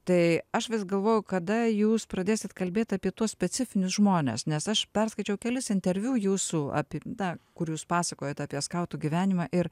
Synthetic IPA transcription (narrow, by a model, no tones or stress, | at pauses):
t̪ɐɪɐʃʋʲɪsɡɐlˠʋoːjʊkɐd̪ɐjuːspɾɐd̪ʲeːsʲɪt̪kɐlʲbʲeːt̪ʲɑːpʲiɛt̪uɔsʲpʲɛt͡s̪ʲɪfʲɪnʲʊsʒmoːnʲḛsnʲɛsɐʃpʲɛrskɐɪt͡ʃʲɛʊkʲɛlʲɪsɪnʲt̪ʲɛɾʲʋʲuːjuːsuɑ̰ːpʲid̪ɐkʊɾjuːspɑːsɐkoːjɛt̪ɑːpʲiɛskɐʊt̪uːɡʲiʋʲæːnʲɪmɑːʔɪɾ